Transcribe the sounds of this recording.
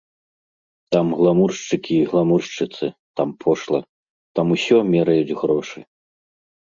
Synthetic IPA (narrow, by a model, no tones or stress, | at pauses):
t̪amɣlˠamurʂt͡ʂɨkʲiːɣlˠamurʂt͡ʂɨt̪sɨt̪ampʰɔʂlˠɐ | t̪amusʲɔmʲɛɾɐjud͡zʲɣɾɔʂɨ̰